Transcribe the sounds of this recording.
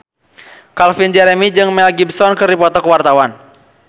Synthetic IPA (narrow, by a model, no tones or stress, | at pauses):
kalfind͡ʒɛɾɛmid͡ʒɨŋmɛlɡibsɔnkɨripɔt̪ɔkəwart̪awan